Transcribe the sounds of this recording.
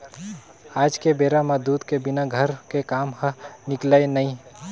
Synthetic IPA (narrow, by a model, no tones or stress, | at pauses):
aːd͡ʒkebeːɾaməd̪uːd̪kebɪnaɡʱəɾkekaːmhənɪklaenəĩ